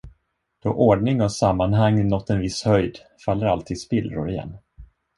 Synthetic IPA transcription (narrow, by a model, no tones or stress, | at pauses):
d̪̥ɔʔɔɖɳɪŋɔsamːanɦaŋːnɔt̪ːɛnvɪshœjd̪ | falːəɾalt̪ʰiːd̪spɪlːɾʊ̰ɾɪjɛ̰nː